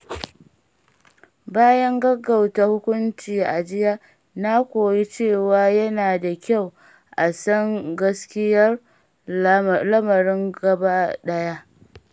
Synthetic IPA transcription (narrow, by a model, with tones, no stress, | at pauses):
baː˦jɐ˦ŋɡɐ˦ɡa˨wta˨hʊ˦kʷʊ˦nt͡ʃiː˨ʔa̰˨d͡ʒɪ˦ja˦ | na˦kʷoː˨ji˦t͡ʃeː˦˨waː˨jɐ˦naː˨da˨kʲa˦˨w | ʔa˨sɐ˦ŋɡɐ˦skʲɪ˦jɐ˦r | lɐ˦mɐ˨ɾɪ˦ŋɡɐ˨ba˦ɗɐ˦ja˦ʔ